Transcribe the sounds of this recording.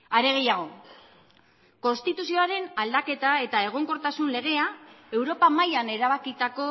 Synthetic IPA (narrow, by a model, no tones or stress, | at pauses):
aɾe̞ɣ̞e̞jaɣ̞o̞ | ko̞nst̪it̪usio̞aɾe̞nald̪ake̞t̪ae̞t̪ae̞ɣ̞o̞ŋko̞ɾt̪asunle̞ɣ̞e̞ae̞wɾo̞pamajane̞ɾaβ̞akit̪ako̞